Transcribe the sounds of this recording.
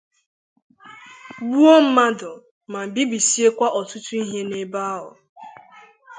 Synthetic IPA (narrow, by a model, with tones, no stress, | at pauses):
wu˦o˦m̩˦ma˦dʊ˨ | ma˨m̩˨bi˦bi˨si˦e˦kʷa˦ʔɔ˨tʊ˦tu˦i˦ɦe˦ne˦ba˦ɦʊ̰˨